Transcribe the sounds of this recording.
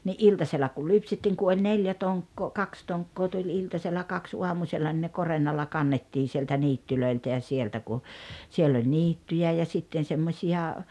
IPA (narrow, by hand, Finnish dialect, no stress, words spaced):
niʔ ʔiltɑselːɑ kul lypsetːiːŋ ku olʲ neljæ toŋkːoː kɑks toŋkːoː tulʲ iltɑselːɑ kɑks uɑmuselːɑ nĭ ne korenːɑlːɑ kɑnːetːiːn̞ sieltæ niːtːyløiltæ jɑ sieltæ ku sielː olʲ niːtːyjæˑ jɑ sitːen̞ semːosʲiɑ